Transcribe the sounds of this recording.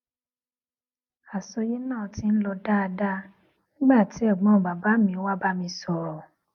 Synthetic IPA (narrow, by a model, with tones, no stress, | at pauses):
a˨so˧je˦nãː˦˨ti˦n̩˦lɔ˧da˦a˧da˦ | nĩ˦ɡ͡ba˦˨ti˨˦ɔ˦˨ɡ͡bɔ̃˨˦˨ba˨ba˨˦mĩ˧˦wa˦ba˦mĩ˧sɔ˨ɾɔ˨